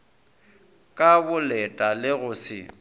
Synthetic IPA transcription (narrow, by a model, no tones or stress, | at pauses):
kʼabʊlɛtʼalɪɣʊsɪ̰